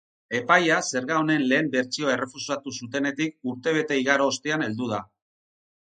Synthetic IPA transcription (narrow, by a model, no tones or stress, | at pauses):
e̞pajase̞ɾɣaone̞nle̞ːmbe̞ɾt͡sio̞e̞re̞fusat̪usut̪e̞ne̞t̪ik̚uɾt̪e̞β̞e̞t̪e̞iɣaɾo̞ːst̪eane̞ld̪uð̞a